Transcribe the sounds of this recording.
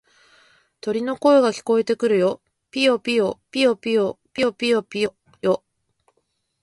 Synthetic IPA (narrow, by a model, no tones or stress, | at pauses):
t̪o̞ɾʲino̞ko̞eɡakʲi̥ko̞e̞t̪e̞kɯ̟ɾɯ̟jo̞ | pʲijopʲijopʲio̞pʲijopʲijo̞pʲijopʲijo | jo